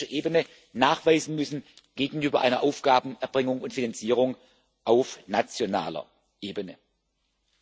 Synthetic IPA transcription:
ɐʔeːbənə | naːχv̥aɪzn̩mʏsn̩ɡ̥eːɡŋ̩yːbɐʔaɪnɐʔaʊfɡ̥aːbn̩ɛɐbʁɪŋʊŋʊntfinant͡siːʁ̞ʊŋ | ʔaʊfnat͡sjona̰ːlɐ̰ | ʔeːbənə

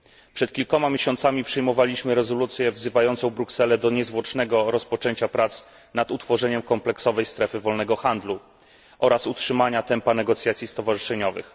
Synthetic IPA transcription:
pʂɛt̪̚kʲilkɔmamʲjeɕɔnt̪samʲipʂɛjmɔvalʲiɕmɘɾɛzɔlut̪sʲjɛvzɘvajɔnt̪sɔ̃w̃bɾuksɛlɛd̪ɔɲɛzvwɔt͡ʂnɛɡɔɾɔspɔt͡ʂɛɲt͡ɕapɾat̪s | nat̪ut̪fɔʐɛɲɛmkɔmplɛksɔvɛjst̪ɾɛfɘvɔlnɛɡɔxand̪lu | ʔɔɾasutʂɘmaɲat̪ɛmpanɛɡɔt̪sʲjat̪sʲjist̪ɔvaʐɘʂɛɲɔvɘ̰x

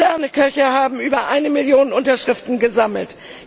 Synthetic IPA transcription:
ɛɐnəkʰœçɐɦaːbm̩ʔyːbɐʔaɪnəmɪljoːnənʔʊntɐʃʁ̥ɪftn̩ɡəzaml̩t

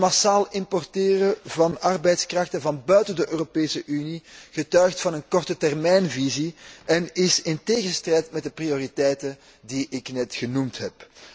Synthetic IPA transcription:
masaːlˠɪmpɔrtɪːrəvɑnɑrbɛjtskrɑxtəvɑnbœɥtəndəʔøːropeːsəʔyniɣ̥ətœɥxtfɑnənkɔrtətɛrmɛjnviziɛnɪsɪnteːɣənstrɛjtmɛt̚dəprioritɛjtən | diʔɪknɛtxənumtɦɛp

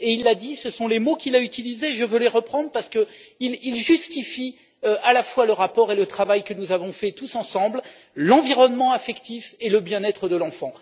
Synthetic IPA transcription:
eilːad̪isəsɔ̃lemokʲilayt̪ilizeʒəvøleʁəpχɑ̃d̪ʁpaʁsə̥kəililʒyst̪ifi | øʔalafwaləʁapɔʁelət̪χavajkənuzavɔ̃fɛt̪usɑ̃sɑ̃bl | lɑ̃viʁɔnmɑ̃afɛkt̪ifeləbjɛ̃nɛt̪χəd̪əlɑ̃fɑ̃

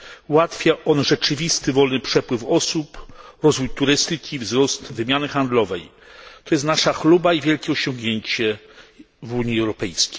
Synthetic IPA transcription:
wat̪fʲjaʔɔnʐɛt͡ʂɘvʲist̪ɘvɔlnɘpʂɛpwɘfɔsupɾɔzvujt̪uɾɘst̪ɘkʲivzɾɔst̪vɘmʲjanɘxand̪lɔvɛj | t̪ɔjɛst̪naʂaxlubaivʲjɛlkʲɛɔɕɔ̃ŋɡɲeɲt͡ɕɛ | vuɲiɛwɾɔpɛjskʲe̥jj

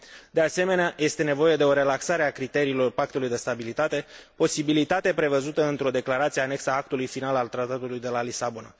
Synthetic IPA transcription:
d̪e̞ase̞me̞neaje̞st̪e̞ne̞vo̞je̞d̪e̞o̞ɾe̞laksaɾe̞akɾit̪e̞ɾiːlo̞rpak̚t̪ulujd̪e̞st̪abilit̪at̪e̞po̞sibilit̪at̪e̞pɾe̞vəzut̪əɨnt̪ɾo̞d̪e̞klaɾat̪sieaːne̞ksaak̚t̪ulujfinalalt̪ɾat̪at̪ulujd̪e̞lalisabona̰

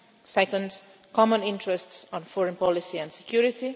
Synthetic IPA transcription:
sɛkə̃nd | kɔmə̃nɪ̃ntɹɛstsɔ̃nfɔɹə̃npɔlisiæ̃nsɛ̥kjuɾɪt̪i

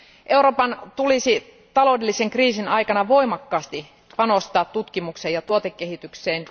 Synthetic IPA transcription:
ʔeuɾo̞ːpɑnt̪ulisi | t̪ɑlo̞udelːiseŋkriːsinɑikɑnɑʋo̞imɑkːɑːst̪i | pɑnost̪ɑːt̪tut̪kimuksejɑt̪uot̪ekːehit̪ykseːn

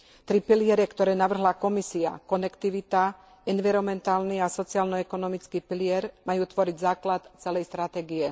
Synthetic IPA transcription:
t̪ɾipilɪɛɾɛkt̪ɔɾɛːnaʋr̩ɦlakɔmisia̰kɔnɛkt̪iʋit̪a | ɛnʋiɾɔmɛnt̪aːlniasɔt͡siaːlnɔɛkɔnɔmit͡skiːpilɪɛɾmajuːt̪ʋɔɾiɟzaːklat̪t͡sɛlɛjst̪ɾat̪ɛːɡiɛ

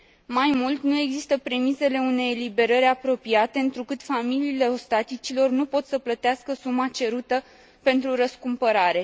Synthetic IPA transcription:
majmult̪nue̞ɡzist̪əpɾe̞mise̞le̞une̞jlibe̞ɾəɾʲapɾo̞piat̪e̞ɨnt̪ɾukɨt̪familiːle̞ost̪at̪it͡ʃilo̞rnupo̞t̪səplət̪easkəsumat͡ʃe̞ɾut̪ə | pe̞nt̪ɾuɾəskumpəɾaɾe̞

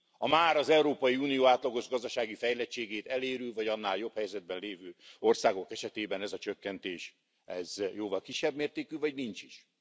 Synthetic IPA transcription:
ɒmaːɾɒzɛuɾoːpɒjiuːnijoːaːt̪lɒɡo̞ʒɡɒzd̪ɒʃaːɡifɛjlɛt͡ʃːeːɡeːt̪ɛleːɾylvɒɟɒnːaːljo̞phɛjzɛd̪̚bɛnleːvøːo̞rsaːɡo̞kɛʃɛt̪eːbɛnɛzɒt͡ʃøkːɛnt̪eːʃ | ɛzjoːvɒlkiʃːɛbmeːrt̪eːkyːvɒɟnint͡ʃiʃ

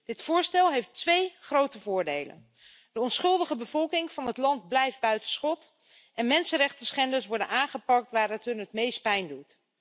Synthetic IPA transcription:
d̥ɪtfʊːɹstɛlˠɦejftʋejχrowtəvʊːɹdejlə̰n | d̥əɔnsχɵlˠdəχəbəvɔlˠkɪŋv̥ɑnətlɑnt̚blɛjfd̚bœɥtənsχɔt | ʔɛnmɛnsənɾɛχtəsχɛndəɹsʋɔɹdənaːŋχəpɑk̚tʋaːɾətɦɵnətmejst̚pɛjndut

